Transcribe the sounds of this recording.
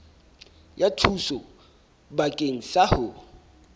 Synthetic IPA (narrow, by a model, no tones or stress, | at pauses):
jatʰusɔ | bakʼeŋ̩sahʊ